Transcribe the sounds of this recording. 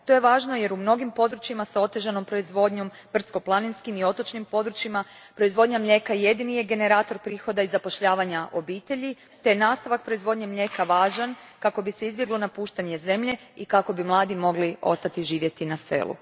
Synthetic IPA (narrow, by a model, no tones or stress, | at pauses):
t̪o̞jeʋaːʒno̞je̞ɾumno̞ɡimpo̞d̪ɾut͡ʃimasao̞t̪e̞ʒano̞mpɾo̞izʋo̞d̪ɲo̞m | br̩t̪sko̞plˠaninskimio̞t̪o̞t͡ʃnimpo̞d̪ɾut͡ʃimapɾoizʋo̞d̪ɲamʎʲe̞kajed̪inije̞ɡe̞ne̞ɾaːt̪o̞ɾpɾiːxo̞d̪aizapo̞ʃʎaːʋaɲaʔo̞biːt̪e̞ʎi | t̪e̞naːst̪aʋak̚pɾo̞izʋo̞d̪ɲemʎe̞ːkaʋaːʒankako̞bise̞izbje̞ɡlˠo̞napuːʃt̪aɲe̞ze̞mʎe̞ | ikako̞bimlˠaːd̪imo̞ɡlio̞̰st̪at̪iʒiːʋje̞t̪inasfḛlṵ